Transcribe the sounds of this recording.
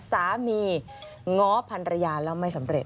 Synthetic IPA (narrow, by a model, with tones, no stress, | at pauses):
saː˩˦miː˧ | ŋɔː˦˥pʰa˧ntɾa˧jaː˧lɛː˦˥wma˥˩jsa˩˦mɾe˨˩t̪̚